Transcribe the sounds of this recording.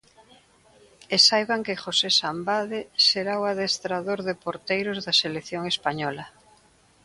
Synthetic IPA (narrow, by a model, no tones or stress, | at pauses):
esajβaŋkexosesambaðeseɾawaðest̪ɾaðoɾðepoɾt̪ejɾozðaselekθjoŋespaɲɔla